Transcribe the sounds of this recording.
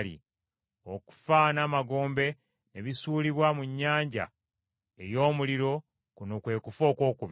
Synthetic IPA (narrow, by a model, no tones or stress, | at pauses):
lḭ | o̞ku̥fanaːmaɡo̞ːmbe̞ | ne̞βisuːliβwamuɲːaːɲɟa̰ | e̞jo̞ːmuliɾo̞ | kunokwe̞ːkufo̞ːko̞ːkuβ